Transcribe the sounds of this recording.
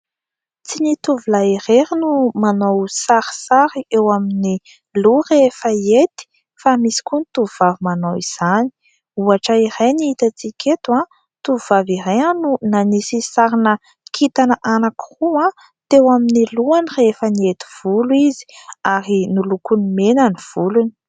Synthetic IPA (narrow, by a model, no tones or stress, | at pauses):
t͡sinit̪uvulaiɾeɾinumanowsaɾi̥saɾiewamini | lurefəet̪i̥ | famisi̥kunit̪uvuvavimanowiz̥ani̥ | uaʈ͡ʂəiɾejniit̪at͡sikʲʰet̪uã | t̪uvuvaviɾajanunanisisaɾinə | kʰit̪anəʔanakiruã | t̪ewaminiluanirefəniet̪i̥v̥uluizi̥aɾinulukunimenəniv̥uluni̥